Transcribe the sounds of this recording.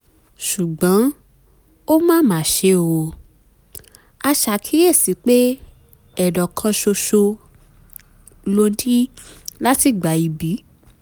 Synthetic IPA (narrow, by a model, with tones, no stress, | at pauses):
ʃu˨ɡ͡bã˨˦ | o˦mãː˦˨mãː˨˦˨ʃe˧o˨˧ | a˧ʃa˨kʰi˨˦e˦˨si˨˦k͡pe˦ | ɛ˨dɔ˨kʰã˧ʃo˧ʃo˧ | lo˧di˦la˦ti˦˨ɡ͡ba˨i˧bi˨˦